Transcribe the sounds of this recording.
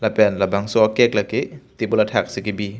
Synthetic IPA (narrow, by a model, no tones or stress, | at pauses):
lapɛnlabaŋsɔɔkek̚lakit̪ibulatʰak̚sikibi